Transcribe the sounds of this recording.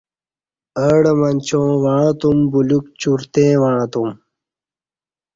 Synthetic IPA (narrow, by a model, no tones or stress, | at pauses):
əːɽemɐnʲt͡ɕõːwaɻ̃t̪umbulukt͡ɕuɾt̪ẽːwãːt̪um